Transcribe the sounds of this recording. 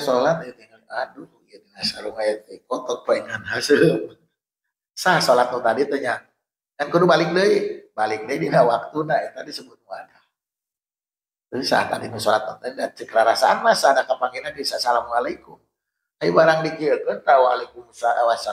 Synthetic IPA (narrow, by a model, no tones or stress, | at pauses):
solat̪̚ait̪iŋakadu | ijadinasaɾumajat̪əkɔt̪ɔpaɛŋanɦasə | sahsolat̪̚mɔt̪adit̪əɲa | ɡankodubalɪk̚dəibalɪk̚dəidinawak̚t̪unait̪adisəbʊt̪̚mua̰da | t̪əsa̰ht̪a̰dinusolat̪̚mo̰t̪ədat͡ʃəkəɾaɾasaanmasadakapaŋinabisasalamualaikum | ajbaɾaŋdikiəkənraua̰laikumsaawasa